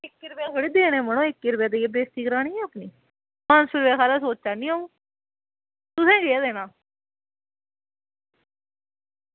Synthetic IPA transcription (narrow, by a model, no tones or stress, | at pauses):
ɪkːɪɾbeːkəɽiːd̪eːnẽːmənõːɪkːɪɾbeːd̪eebeːst̪iːɡɾaːɽ̃iːɛːpniː | mansʊɾʋeːkʰaːlaːs̬oːt͡ʃaːnĩːaũː | t̪ʊsɛ̃ːɡeːad̪eːnãː